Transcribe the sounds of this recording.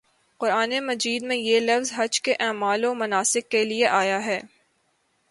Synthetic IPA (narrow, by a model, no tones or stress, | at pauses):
qʊɾaːnemɐd͡ʒiːd̪mẽjelɐfzɦɐd͡ʒkeʔɛːmaːlomɐnaːsɪkːelieʔaːjaɦɛː